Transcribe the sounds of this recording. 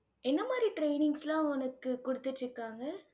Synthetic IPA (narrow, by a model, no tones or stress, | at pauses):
ʔɛnːɐmaːd̪ɾiʈɾeɪnɪŋɡslãːʊnɐkːɯkːʊɽɯt̪ːɯʈːɯkːaːŋɡɐ